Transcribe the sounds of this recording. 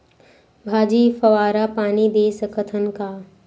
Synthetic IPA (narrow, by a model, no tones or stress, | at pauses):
bʱaːd͡ʒiːfɐʋaːɾapaːnib̪eːsəkʰət̪ʰənkaː